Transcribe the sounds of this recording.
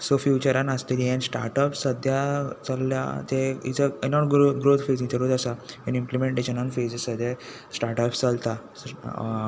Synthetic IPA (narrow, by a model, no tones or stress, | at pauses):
sɔfjut͡ɕəɾãnast̪iliɦɛ̃nsʈa̰ɾʈɔpssəd̪ʱjat͡salːja̰t̪eḭt͡sənɔʈɡɡɾot̪ʰfed͡znit̪ʰəɽut̪əsaenimplemeɳʈeɕənɔ̃nfed͡zəsəd̪ʱe | sʈaɾʈɔpst͡salt̪a